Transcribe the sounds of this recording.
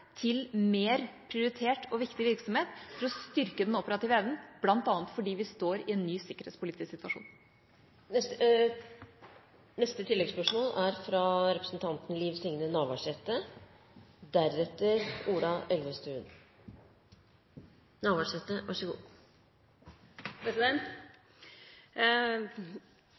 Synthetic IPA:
t̪ʰɪlmeːɾpʰɾɪʊɾɪt̪ʰeːʈɔʋɪkt̪ɪʋɪɾksɔmheːt̪fɔɾɔst̪ʏɾkəd̪ɛnɔpəɾɑt̪iːʋəɛʋnn̩b̥lɑnt̪ɑːnət̪fɔɖiːʋɪst̪oːɾɪɛnnyːsɪkːəɾhḛːt̪spʰʊlɪːt̪ɪsksɪt̪ʋɑʂṵːn | ɛ | nɛst̪ət̪ʰɪlːɛɡspœʂmoːlæɾfɾɑɾɛpɾəsn̩t̪ʰɑnt̪nliːʋslɪŋnənɑːʋɑʂɛt̪ːə | d̪æɾːɛt̪ːəɾuːlɑʔɛlʋəst̪ʉːn | nɑːʋɑʂɛt̪ːəʋɑʂəɡuː | pʰɾɛsɪd̪ɛnt̪

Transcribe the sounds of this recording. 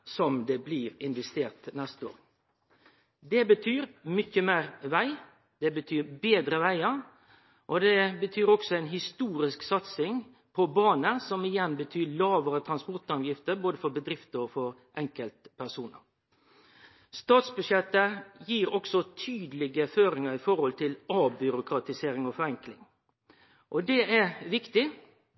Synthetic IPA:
sɔmd̪ɛbliːɾɪnʋɛst̪eːʁt̪nɛst̪o̰ːɾ | d̪ɛbət̪ʰyːɾmʏçəmeːɾʋæɪ | d̪ɛbət̪ʰyːɾbeːd̪ɾəʋæɪəɾ | ʔɔd̪ɛbət̪ʰyːɾɔksɔɛɪnɦɪst̪uːɾɪsksɑt̪sɪŋ | pʰɔbɑːnəsɔmɪjɛnbət̪ʰyːlɑːʋəɾət̪ʰɾɑnspɔʁt̪ɑʋjɪft̪əboːd̪əfɔɾbəd̪ɾɪft̪əɔfɔɾʔɛŋkəlt̪pʰæsuːnə̰ɾ | st̪ɑːt̪sbʉʂɛt̪ːəjiːɾɔksɔt̪ʰyːd̪əlɪɡəføːɾɪŋəɾɪfɔɾhɔlt̪ʰɪlɑːbbʏɾʊkɾɑt̪ɪseːɾɪŋɔfɔɾɛŋklɪŋ | ʔɔd̪ɛʔæɾʋɪkt̪ɪ

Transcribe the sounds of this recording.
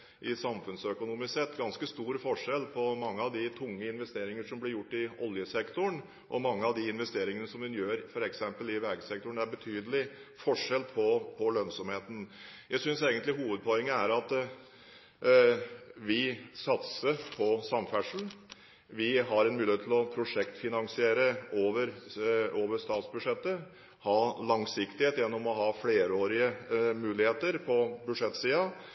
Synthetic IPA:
ʔɪsɑmfʉnsœkʊnuːmɪsɛt̪ːɡɑnskəst̪uːɾfɔʂɛlːpʰɔmɑŋːəɑʋd̪ɪt̪ʰʊŋːəɪnʋɛst̪eːɾɪŋəʂɔmblɪɾjʊʈːɪɔljəsɛkt̪ʊɳ | ʔɔmɑŋːəɑʋd̪ɪɪnʋɛst̪eːɾɪŋənəsɔmd̪ɛnjøːɾfɔɾɛksɛmpəlɪʋɛɡəsɛk̚t̪ʊɳd̪æɾbət̪ʰyːd̪əlɪfɔʂɛlpʰɔpʰɔløːnsɔmheːt̪ən̩jæɪsʏnseːɡənlɪɦuːʋəd̪̚pʰɔɛŋːəæɾɑt̪ | ʋɪsɑt̪səpʰɔsɑmfæʂln | ʋɪɦɑɾɛnmʉːlɪhet̪ʰlɔpʰɾʊʂɛkt̪fɪnɑŋsɪeːɾəoːʋəɾoːʋəɾst̪ɑːt̪sbʉʂɛt̪ːə | hɑːlɑŋsɪkt̪ɪheːt̪jɛnːɔmɔɦɑːfleːɾoːɾɪəmʉːlɪheːt̪əɾpʰɔbʉʂɛt̪ːsiːɑ

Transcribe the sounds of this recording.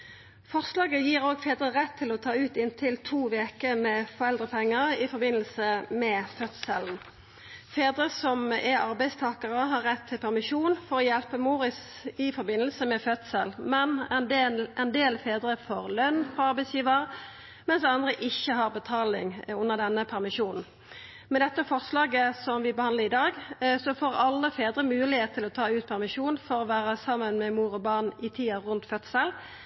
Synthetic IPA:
fɔʁslɑːɡəjiːʁoːɡfeːd̪ʁəʁɛt̪ʰːɪlɔt̪ʰɑːʉːt̪ɪnt̪ʰɪlt̪ʰuːʋeːkəmɛfɔʁɛld̪ʁəpʰɛŋːəʁɪfɔɾbɪnːəlsəmɛfœt̪sɛln̩ | feːd̪ʁəsɔmɛʁɑʁbæɪst̪ʰɑːkɑʁəɦɑʁːɛt̪ʰːɪlpʰæʁmɪʃuːnfɔʁɔjɛlpəmuːʁɪs | ɪfɔɾbɪnəlsəmɛfœt̪səlmɛnɛnɛnd̪eːlfeːd̪ʁəfɔʁlœnfɔɑɾʁbæɪsjiːʋəʁ | mɛnsɑnd̪ʁəʔɪçːəɦɑʁbət̪ʰɑːlɪ̰ŋʊnːəʁd̪ɛnːəpʰæʁmɪʂuːnn̩ | mɛd̪ɛt̪ːəfɔʁslɑːɡəsɔmʋɪbəhɑnd̪əʁɪd̪ɑːɡsɔfoːʁɑlːəfeːd̪ɾəmʉːlɪheːt̪t̪ʰːɪlɔt̪ʰɑːʉːt̪̚pʰæʁmɪʂuːnfɔʁɔʋæːʁəsɑmːənmɛmuːʁɔbɑʁnɪt̪ʰiːɑʁʉnt̪fœt̪səl

